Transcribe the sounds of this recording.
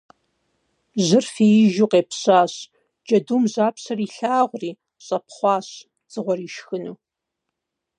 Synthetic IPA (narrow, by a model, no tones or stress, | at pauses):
ʑɪrfiːjɪʒuːqeːpɕaːɕ | d͡ʒɐduːmʑaːpɕɐriːɬaːʁʷriː | ɕʼɐpχʷɑːɕ | d͡zɨʁʷɔriːʃxɨnuː